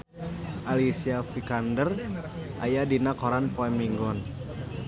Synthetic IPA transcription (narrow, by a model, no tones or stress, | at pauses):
ʔalisiafikandərʔa̰jadinakɔɾanpoɛmiŋɡɔn